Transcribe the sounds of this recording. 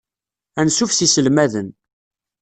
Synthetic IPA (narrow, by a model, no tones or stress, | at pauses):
ænsufsisəlmæðən